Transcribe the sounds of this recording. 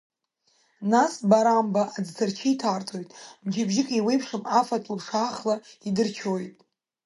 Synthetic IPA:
nasbaɾambaʔad͡ztʰɨrt͡ʃʰijtʰartʼʰo̞jtʼmd͡ʒabʒɪkʼiwejpʰʂɨmafatʼlpʂaχlaidɨrt͡ʃʰojtʼ

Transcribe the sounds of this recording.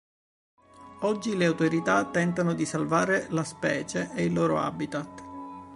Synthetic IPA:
ɔd͡ʒːileawt̪oɾit̪at̪ːɛnt̪anod̪isalvaːɾelaspɛːt͡ʃeʔeilːoːɾo̰a̰bit̪at̪ː

